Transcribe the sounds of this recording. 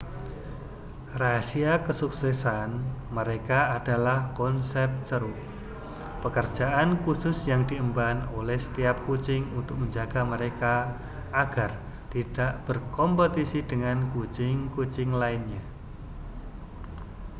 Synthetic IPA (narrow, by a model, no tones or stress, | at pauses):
rasiakəsuksɛsanməɾekaːd̥alahkɔnsɛp̚t̪səɾu | pəkər̥d͡ʒ̥aʔankusʊsjaŋd̥iəmbanolɛhsə̥t̪iap̚kut͡ʃɪŋunt̪ʊk̚məɲd͡ʒaɡ̥aməɾekaː | ɡ̥ar | t̪id̥aʔb̥ərkɔmpət̪isid̥əŋankut͡ʃɪŋkut͡ʃɪŋlaɪnɲa